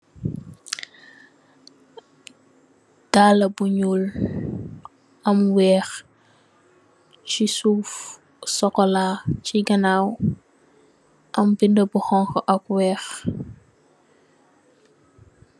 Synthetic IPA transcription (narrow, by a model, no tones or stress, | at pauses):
d̥aːlɐbuɲuːl | ɐmwɛːx | cisuːf | sɔkːɔlaciɡɐnaːw | ʔɐmbindəbuxɔŋkɔʔɐkwɛːx